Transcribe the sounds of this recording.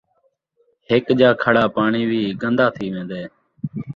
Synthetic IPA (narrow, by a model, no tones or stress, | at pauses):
ɦɪkd͡ʒaːkʰəɽaːpaːɳiːʋiːɡənd̪aːt̪ʰiːʋẽːnd̪eː